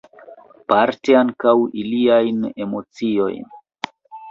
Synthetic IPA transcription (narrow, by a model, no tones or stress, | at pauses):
paɾteaŋkawiliajne̞mo̞t͡sio̞̰jn